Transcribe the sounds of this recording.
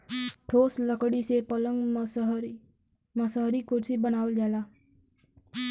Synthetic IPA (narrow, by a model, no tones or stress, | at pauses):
ʈʰoːsləkɽisepələ̃ŋɡ | məsaɦɾikʊɾsibənaːʋəld͡ʒaːlaː